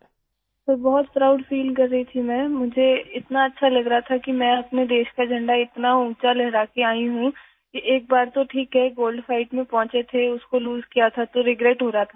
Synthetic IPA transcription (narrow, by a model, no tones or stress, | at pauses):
t̪oːbɔɦʊt̪fɾaʊʈfiːlkɐɾːɐɦit̪ʰimɛ̃ːmʊd͡ʒʱeɪt̪naɐtːʃʰalɐɡɾɐɦat̪ʰakimɛ̃ːɐpned̪eːʃkad͡ʒʱɐ̃ɳɖaɪt̪naũːt͡ʃalɛɦɾaːkeaːiɦũ | kiʔeːk̚baːɾt̪oʈʰiːkɦɛɡoːlɖfaːɪʈmẽpɔ̃ːt͡ʃet̪ʰeʊskoluːzkijat̪ʰat̪oɾɪɡɾeːʈɦoːɾaɦat̪ʰa